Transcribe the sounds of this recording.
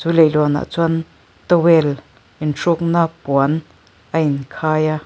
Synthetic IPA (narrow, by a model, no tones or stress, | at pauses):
t͡sulelɔna̰ʔt͡swan | t̪əwel | inʂuk̚napwan | ainkʰaja